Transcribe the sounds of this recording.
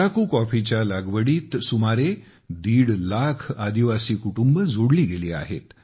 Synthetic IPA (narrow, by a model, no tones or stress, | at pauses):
akuːkɔfit͡ɕjalaɡʋəɽiːt̪sumaɾe | d̪iːɽlakʰad̪iʋasiːkuʈumbəd͡zʱoɽliːɡeliːa̰ɦḛt̪